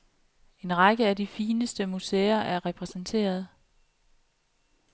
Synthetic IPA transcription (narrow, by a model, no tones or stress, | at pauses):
e̝nʁɑ̈ɡ̥əæd̥ifiːnəsd̥əmuseːɐʔæɐʁɛpʰʁɛsən̩t͡sʰe̝̰ːɐð̞̩ˠ